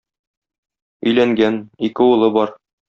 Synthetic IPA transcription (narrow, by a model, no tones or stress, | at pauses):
ɵ̆jlæŋɡænikɘulˠɤbɒɾ